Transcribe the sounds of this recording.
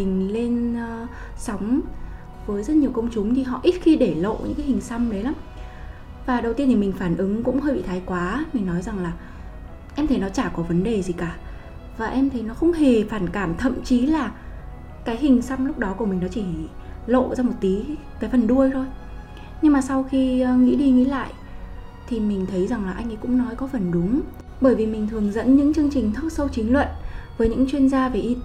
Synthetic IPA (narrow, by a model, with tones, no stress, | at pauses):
mï˨˩ŋ̟le˧nː˧ | sɔ˨˦wŋ͡m | vəː˨˦jzə˦˥t̚ɲi˨˩əwkə˧wŋ͡mt͡ɕʊ˨˦ŋ͡mt̪ʰi˨˩ɦɔ̰˧˨ʔi˦˥t̚xi˧ɗe˧˩lo̰˧˨ɲɨ̰˧˥ŋkaː˨˦jhï˨˩ŋ̟sa˧wmɗə˨˦jlaː˨˦m | vaː˨˩ɗə˨˩wt̪i˧ət̪ʰi˨˩mï˨˩ŋ̟faː˧˩nʔɨ˨˦ŋkʊ̰˧˥ŋ͡mhəː˧jɓḭ˧˨t̪ʰːjkwaː˨˦mï˨˩ŋ̟nɔ˨˦jza˨˩ŋlaː˨˩ | ʔɛ˧mt̪ʰə˨˦jnɔ˨˦t͡ɕaː˧˩kɔ˨˦və˨˦nɗe˨˩zi˨˩kaː˧˩ | vaː˨˩ʔɛ˧mt̪ʰə˨˦jnɔ˨˦xə˧wŋ͡mɦe˨˩faː˧˩nkaː˧˩mt̪ʰə̰˧˨mt͡ɕi˨˦laː˨˩ | kaː˨˦jɦï˨˩ŋ̟sa˧mlʊ˦˥k͡p̚ɗɔ˨˦ku˧˩əmï˨˩ŋ̟nɔ˨˦t͡ɕi˧˩ | lo̰˧˨zaː˧mo˨˩t̚t̪i˨˦ | kaː˨˦jfə˨˩nɗu˧əjt̪ʰo˧j | ɲɨ˧ŋmaː˨˩sa˧wxi˧ŋḭ˧˥ɗi˧ŋḭ˧˥la̰ː˧˨jʔ | t̪ʰi˨˩mï˨˩ŋ̟t̪ʰə˨˦jza˨˩ŋlaː˨˩ʔa˧jŋ̟ʔi˨˦kʊ̰˧˥ŋ͡mnɔ˨˦jkɔ˨˦fə˨˩nɗʊ˨˦ŋ͡m | ɓəː˧˩jvi˨˩mï˨˩ŋ̟t̪ʰɨ˨˩əŋzə̰˧˥nɲɨ̰˧˥ŋt͡ɕɨ˧əŋt͡ɕï˨˩ŋ̟t̪ʰə˦˥t̚sə˧wt͡ɕï˨˦ŋ̟lwə̰˧˨nvəː˨˦jɲɨ̰˧˥ŋt͡ɕwi˧ənzaː˧ve˨˩ʔi˧